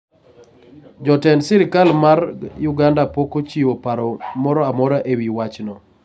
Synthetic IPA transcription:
d͡ʒɔtɛnsɪɾɪkalmarjʊɡandapokot͡ʃiwopaɾɔmɔɾɔamɔɾaʔewiwat͡ʃnɔ

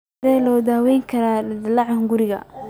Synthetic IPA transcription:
ɛːlɔːd̪aːwɛjŋkʰɐɾaːd̪ɪlɑʕɑŋɡʊɾɪɣɐ̰

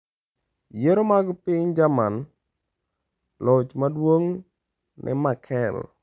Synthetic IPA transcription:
jeɾomaɡɔpɪɲd͡ʒaman | lɔt͡ʃmadwoŋ | nʔɪ̰makʰɛl

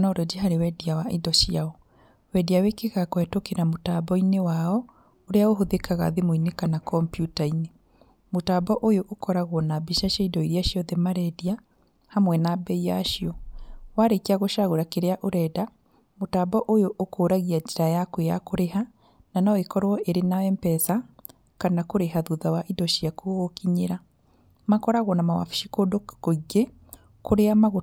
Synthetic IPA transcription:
nɔɾɔd͡ʒeɦaɾewɛdiawaʔidɔʃiaɔ | wɛdiawekeɣakwɛtokeɾamotabɔinewaɔ | oɾeaoɦoðekaɣa̰ðemoinekanakɔmpjutaine | motaːbɔʔojoʔokɔɾaɣwɔnabiʃaʃaidɔiɾiaʃiɔðɛmaɾɛdia | hamwɛnabɛijaʃiɔwaɾekeaɣoʃaɣoɾakeɾeaʔoɾɛda | motabɔʔojoʔokoːɾaɣiad͡ʒeɾajakwejakoɾeɦa | nanaekɔɾwɔʔeɾenawɛmpɛsa | kanakoɾeɦaðuðawaʔidɔʃiakuoɣokiɲeɾa | makɔɾaɣwɔnamawa̰fi̥ʃikodokoɣɛ | koɾeamaɣo

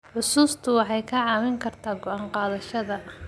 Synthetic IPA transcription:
ʕʊsuːst̪ʰʊwɑħɑjkʰɐʕɑːmɪŋkʰɐrt̪ʰaːɡɔʔaːɴqɑːðɐʃɐðɐ

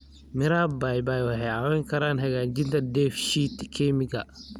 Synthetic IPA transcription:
mɪɾaːbajbaːjwɐhɛjʕɑwɛːŋkʰɐɾaːnɦɐɣaːd͡ʒɪnt̪ʰɐdɛːfʃiːt̪kʰɛmɪɡɐ̰

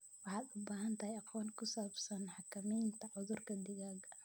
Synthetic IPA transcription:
wɑħɑːd̪ʊbaːɦɐnt̪ʰɐhjɑqɔːnkʰʊsaːbsɐnħɑkʰɐmijnt̪ʰɐʕʊðʊrkʰɐd̪ɪɣaːɡɐ

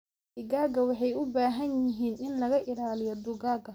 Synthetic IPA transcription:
ɪɡaːɡɐwɑħɑjʊbaːɦɐnjɪɦiːnɪnlɐɣɐʔɪlaːlɪjɔd̪ʊɡaːɡɐ

